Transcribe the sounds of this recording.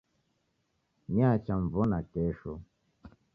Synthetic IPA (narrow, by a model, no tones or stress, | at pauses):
niat͡ʃaɱvɔnakɛʃɔ